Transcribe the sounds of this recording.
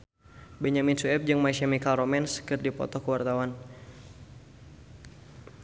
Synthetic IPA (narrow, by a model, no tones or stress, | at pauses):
bɛɲaminsuɛp̚d͡ʒɨŋmaisamikalromɛnskɨrdipɔ̰t̪ɔhkəwart̪awan